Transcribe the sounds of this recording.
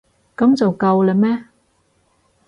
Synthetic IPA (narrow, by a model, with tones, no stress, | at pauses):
kɐ˨˥mt͡sɐ˨wkɐ˧wlɛ˨mɛː˥